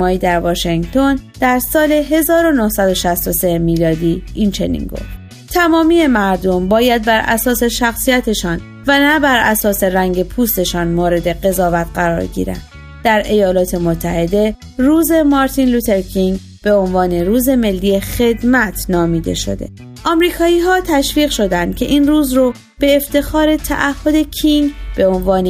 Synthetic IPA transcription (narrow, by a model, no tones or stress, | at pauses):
mɒːiːd̪æɾvɒːʃeŋɡt̪ʰo̞nd̪̥æɾsɒːle̞ɦe̞zɒːɾo̞nohsæd̪o̞ʃæst̪o̞se̞jmiːlɒːd̪iːint͡ʃʰe̞nḭːnɡo̞̰ft̪ | t̪ʰæmɒːmije̞mæɾd̪o̞mbɒːjæd̪̚bæɾʔæ̰sɒːse̞ʃæxsijæt̪ʰe̞ʃɒːn | vænæbæɾʔæsɒːse̞ræŋɟe̞pʰuːst̪e̞ʃɒːnmoːɾe̞d̪e̞ɢe̞zɒːvæt̪ʰɢæɾɒ̰ːɾɟḭːɾæ̰nd̪̥ | d̪̥æɾʔe̞jɒːlɒːt̪ʰe̞mot̪ʰːæhe̞d̪e̞ | ruːze̞mɒɾt̪ʰinlut̪ʰe̞ɾkʰiŋɡ | b̥e̞onvɒːne̞ɾuːze̞me̞lːije̞xe̞d̪mæt̪ʰnɒːmiːd̪e̞̰ʃo̞̰d̪e̞̰ | ʔɒːmɾiːkʰɒːiːɦɒːt̪ʰæʃviːɣʃo̞d̪ænd̪̥̚cʲʰe̞ʔiːnruːzro | b̥e̞ːft̪e̞xɒːɾe̞t̪ʰæ̰ʔæhːo̞d̪e̞cʰiŋɡbe̞o̞nvɒːne